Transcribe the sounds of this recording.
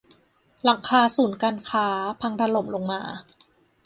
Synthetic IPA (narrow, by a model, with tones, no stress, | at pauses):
la˨˩˦ŋkʰaː˧suː˩˦nkaː˧nkʰaː˦˥pʰa˧ŋɾa˧lo˨˩˦mlo˧ŋmaː˧